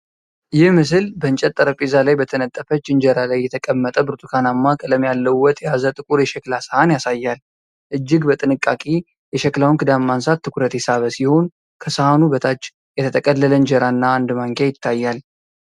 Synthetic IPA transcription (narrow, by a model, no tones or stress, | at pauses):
jɪhmɨs̬ɨlbəɨnt͡ʃʼɛt̪ʼːəɾəpʼːizalajbət̪ʰənət̪ʼːəfət͡ʃːɪnd͡ʒɛɾalajːɛt̪ʰəkʼəmːət̪ʼəbɨɾt̪ʰʼukʰanamːakʼɨləmːjalːəwwːɔt̪ʼjazət̪ʼɨkʼuɾjɛʃɛklasəhanjasajːal | ʔɨd͡ʒːɪɡbət̪ʼɨnɨkʼːa̰kʼe | jɛʃɛklawnkʰɨd̪amːansat̪ʰːɨkʰuɾət̪ʰesaβəsiho̞n | kʰəsəhanubət̪ʰat͡ʃː | jɛt̪ʰət̪ʰəkʼəlːələnd͡ʒəɾanːaːnd̪maŋkʰejɪt̪ʰːajːal